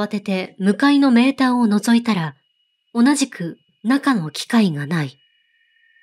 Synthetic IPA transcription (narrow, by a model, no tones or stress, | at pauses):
at̪e̞t̪e̞mɯ̟kaino̞me̞ːt̪aːo̞no̞zo̞it̪aɾa | o̞naʑikɯ̟ | nakano̞kʲi̥kaiɡanai